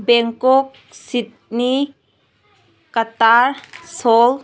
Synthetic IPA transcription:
bɛŋkɔk̚ | sit̚ni | kataɾsɔl

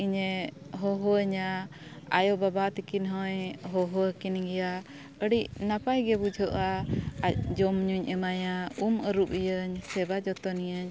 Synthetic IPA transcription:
iɲɛɦɔɦɔəɲa | a̰jɔbabat̪ikinɦɔjɦɔɦɔəkinɡɛja | əɽicnapajɡɛbud͡ʒʱɔʔaac̚d͡ʒɔmɲuɲʔɛmajauməɾup̚ijəɲsɛbad͡ʒɔt̪ɔnijəɲ

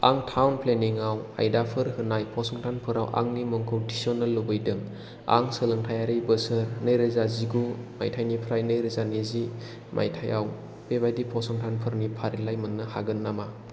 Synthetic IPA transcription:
a̰ŋtʰawnpʰleniŋawa̰jdapʰɯɾhɯnajpʰɔsɔŋtʰanpʰɯɾa̰wʔa̰ŋnimɯŋkʰowtʰisɔnɯlːubɯjdɯŋ | a̰ŋsɯlɯŋtʰajaɾɯjbɯsɯɾnɯjɾɯzaziɡuma̰jtʰajnipʰɾajnɯjɾɯzanezi | mʔa̰jtʰajaw | pebajdipʰɔsɔŋtʰanpʰɯɾnipʰaɾilajmɯnːɯha̰ɡɯnːama

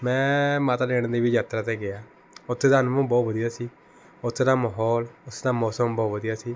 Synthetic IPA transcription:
mɛ̃ːmaːt̪aːdeːɽ̃d̪eːbiːd͡ʒaːt̪ɾaːt̪eːɡɪaː | ʊt̪ʰːeːd̪anmõːbɔːt̪ʋəd̪ijaːsiː | ʊt̪ʰːd̪aːməɦɔːlʊsd̪aːmɔːsəmbɔːtʋəd̪ijaːsiː

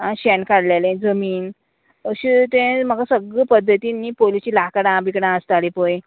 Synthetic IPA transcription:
aɕɛnkaɽlalẽd͡zəmiːn | əɕit̪ẽm̤əɡasəɡəpəd̪ʱːət̪inːiːpolit͡ɕiːlakəɽãbikɽãəst̪alipoj

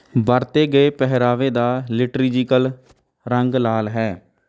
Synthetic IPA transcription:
bəɾt̪eːɡəeːpɛɦɾaːʋeːd̪aːlɪʈɾid͡ʒikəl | ɾəŋɡlaːlɦɛː

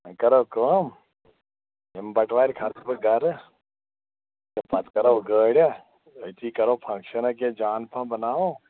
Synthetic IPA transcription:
ə̃kɐɾoːkəːm | embɐʈlaːɾkʰat̪bɨɡɐɾ | epɐt̪kɐɾoɡəːɽʲa | ət̪ʰiːkɐɾoːpʰɐ̃ŋkʃənɐk̬ẽd͡ʒaːnpʰãːbɐnaːʋo

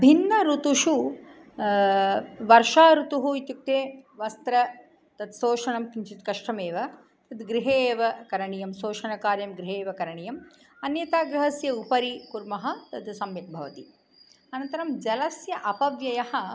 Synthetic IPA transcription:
bʱinːɐɾut̪uʂu | ʋɐɾʃaːɾut̪uɦuit̪juk̚t̪eːʋɐst̪ɾɐ | t̪ɐd̪soːʂɐɳɐmkint͡ʃit̪kɐʂʈɐmeːʋɐ | t̪ɐd̪ɡɾɪɦeːʋɐkɐɾɐɳijɐmsoːʂɐɳɐkaːɾjɐmɡɾɪɦeːʋɐkɐɾɐɳijɐm | ɐnjɐt̪aːɡɾɪɦɐsjɐupɐɾikuɾmɐɦɐ̆t̪ɐd̪sɐmʋit̪̚bʱɐʋɐ̰t̪i | ɐnɐnt̪ɐɾɐmd͡ʒɐlɐsjɐʔɐpɐʋjɐjɐhɐ̆

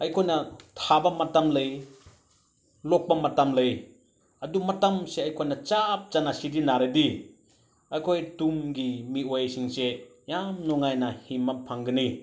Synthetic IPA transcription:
ɐjkʰojnɐtʰabɐmɐtamlɐj | lok̚bɐmɐtamlɐj | ɐdumɐtamseɐjkʰojnɐt͡ʃap̚t͡ʃanasidinaɾedi | ɐjkʰojtumɡimiojsiŋse | jamnɔŋajnɐhimːɐpʰaŋɡɯni

